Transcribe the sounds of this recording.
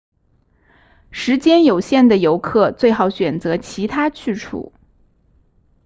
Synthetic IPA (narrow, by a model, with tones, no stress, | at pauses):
ʂɻ̩˧˥t͡ɕjɛ˥njo˨˩ʊɕjɛ˥˩nd̪ə˩jo˧˥ʊkʰɤ˥˧t͡swe˥˩ɪxɑ˧˩˥ʊɕɥɛ˨˩nt͡sɤ˧˥t͡ɕʰi˧˥t̪ʰa˥t͡ɕʰy˥˧ʈ͡ʂʰṵ˨˩˦